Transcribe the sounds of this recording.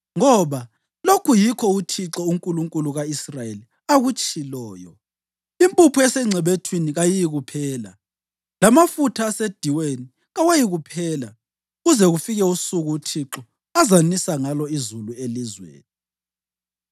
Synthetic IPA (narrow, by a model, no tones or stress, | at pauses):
ŋɔβa | lokʰujikʰɔutʰiǁɔuŋkʼuluŋkʼuluɣaisrajeli | aɣut͡ʃʼilɔːjɔ̰ | impʼupʰuɛsɛŋ͡ǀʱɛβetʰwiniɣajijiɣupʰɛːla | lamafutʰaːsed̥ʱiweni | ɣawejiɣupʰɛːla | ɣuzɛɣufiɣɛusuɣuːtʰiǁɔ | azanisaŋalɔizuluelizwḛːni